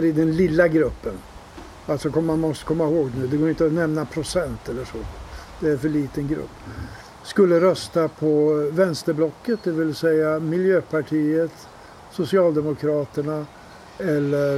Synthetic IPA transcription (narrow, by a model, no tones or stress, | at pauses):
ɾɪd̪ɛnlɪlːaɡɾɵpːən | alt̪sɔkʰɔmːanmɔst̪ə̥kʰɔmːahoːɡnʉ̟ːd̪ɛɡoːɾɪnt̪əɔnɛmnapʰɾʊsɛnt̪ɛlːəʂɔ | d̪̥ɛæɾfœɭiːt̪ənɡɾɵ̰pː | skɵlːəɾœst̪apʰɔvɛnst̪əɾblɔkːət̪̚d̪ɛvɪlsɛjːamɪljøːpʰaʈʰiːət̪ | sʊsɪɑːld̪ɛmʊkʰɾɑːt̪əɳa | ɛlːə